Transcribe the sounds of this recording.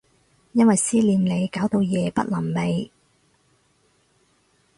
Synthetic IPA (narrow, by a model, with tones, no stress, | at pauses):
jɐ˥nwɐ˨jsiː˥liː˨˧mle˨˧jkaː˨˥wt̪o˧wjɛː˨˧pɐ̰˥t̚lɐ˨˩mle˨˧j